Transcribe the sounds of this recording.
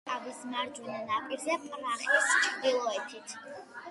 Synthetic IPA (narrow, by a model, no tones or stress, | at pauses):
avismaɾd͡ʒunɛnapʼiɾzɛpʼɾaχist͡ʃʰʼɾd̪ilˠɔɛt̪ʰit̪ʰ